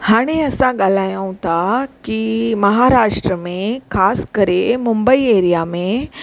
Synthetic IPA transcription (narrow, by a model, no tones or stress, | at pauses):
haːɽ̃eəsãɠalajãũt̪akimɐɦaɾaːʂʈɾəmẽkʰaːskəɾemumbəieːɾijamẽ